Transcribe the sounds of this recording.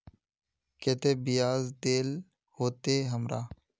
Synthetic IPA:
keːt̪eːbɪjaːzd̪eːl | hoːt̪eːɦəmɾaː

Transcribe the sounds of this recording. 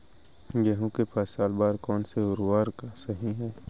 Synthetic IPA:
jeɦũkepaːsaːlbaːɾkɔːnseʊɾwaːɾksɐɦiɦɛː

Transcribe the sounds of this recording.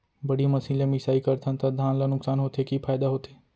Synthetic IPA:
bəɽiməsiːlẽmisaːikəɾt̪ʰãnt̪ad̪ʱaːnlanʊksaːnɦoːt̪ʰekipʰaːjd̪aɦoːt̪eː

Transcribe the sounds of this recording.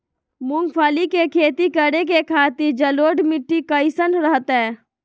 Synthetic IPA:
mʊ̃ŋɡpʰaːlikekʰeːt̪ikəɽek̬ekʰaːt̪ɪɾd͡ʒəloːɖmɪʈːikəɪsənɾəɦət̪ɦɛ̃ː

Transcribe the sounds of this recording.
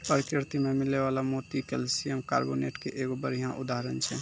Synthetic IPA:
pəɾkɾɪɾt̪imemɪlːeʋalamot̪ikelsijemka̰ːɾboneʈkeʔeɡobəɾjjãʔud̪aɦəɾənt͡ʃʰɛ

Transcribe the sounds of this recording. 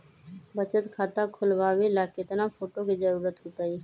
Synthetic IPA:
bət͡ʃət̪kʰaːt̪akʰʊlbaːbelaːket̪napʰoːʈokid͡ʒəɾuːɾət̪ɦut̪ai

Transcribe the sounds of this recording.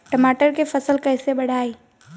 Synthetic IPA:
ʈɐmaːʈəɾkefɐsəlkɐːsebɐɽ̤ʱaːiː

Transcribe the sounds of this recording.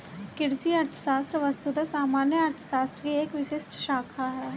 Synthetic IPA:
kɪɽsiɐɾt̪ʰə̥ʃaːst̪ɾʋɐst̪ud̪asaːmaːnjəɐɾt̪ʰə̥ʃaːst̪ɾəkieːkʋɪʃɪʃʈʃaːkʰaɦɛː

